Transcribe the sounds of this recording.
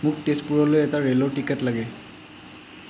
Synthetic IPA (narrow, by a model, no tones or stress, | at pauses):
muktespuɹɔlojɛtaɹelɔʈikɛtlaɡɛ